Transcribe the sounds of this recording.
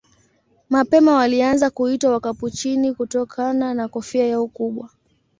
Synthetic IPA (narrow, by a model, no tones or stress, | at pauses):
mapɛmawalianzakuitwawakaput͡ʃinikutɔkʰananakɔfiajaukuɓwa